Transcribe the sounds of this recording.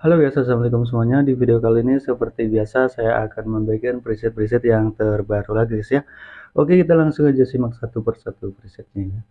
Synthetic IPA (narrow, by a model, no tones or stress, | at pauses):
halobiasas̬amlik̬ʊms̬əmuaɲadifideokaliːnisəpərt̪ibiasasajaakanməmbaikanpɾisɪt̪̚pɾis̬ɪt̪̚jaŋt̪ərbaɾulaɡisijaʔokekit̪̬alaŋsʊŋad͡ʒasihmak̚sat̪upərsat̪upɾisɪt̪̚ɲa